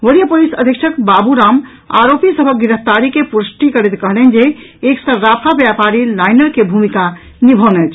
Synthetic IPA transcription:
ʋəɾijəpolisəd̪ʱjəkʃʰəkbabuɾam | a̰ɾopisəbʱək̚ɡiɾəpʰt̪aɾikepuɾəsʈikəɾɛt̪kəɦlɛnd͡ʒeeksəːapʰabjapaɾilajnəɾkebʱumika | nibʱənɛt͡ʃʰ

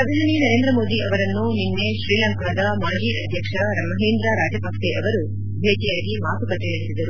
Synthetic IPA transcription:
pɾɐd̪ʱɐɦɐninɐɾeːnd̪ɾɐmoːd̪iɐʋɐɾɐnːuninːeʃɾiːlaːŋkɐɐd̪ɐmaːd͡ʒiːʔɐd̪ʱjɐkʂɐɾɐmːɐɦeːnd̪ɾaɾaːd͡ʒɐbʱakseʔɐʋɐɾu | bʱeːt͡ʃijaːɡimaːt̪ʰupɐʈːiɳɐisid̪ɐɾu

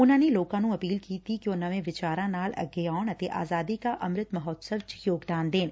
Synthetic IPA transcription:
ʊnãːneloːkãnũɐpiːlkiːt̪ʰikionɐʋẽʋɪt͡ʃaːɾãnaːlɐ̰ɡjaːɽ̃ɐt̪eʔa̰ːzaːd̪ikaʔɐmɾɪt̪mɐɦɔːt̪səʋt͡ʃjoːɡd̪aːnd̪eːn

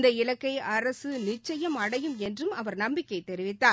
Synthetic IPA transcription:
nd̪ɐɪɻɐkːɐɪɐɾɐsɯnɪt͡ʃːɐjɐmɐɽɐjɯmɛndrɯmɐʋɐɾnɐmbɪkːɐɪt̪ːɛɾɪʋɪt̪ːaː

